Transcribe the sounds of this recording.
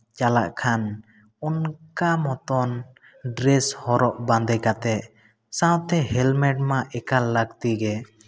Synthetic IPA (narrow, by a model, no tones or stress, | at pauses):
t͡ʃalaʔkʰan | ɔnkamɔt̪ɔn | ɖɾɛshɔɾɔʔband̪ɛjkat̪ɛʔ | sãwt̪ɛhɛlmɛʈ̚maʔɛkalək̚t̪iɡɛ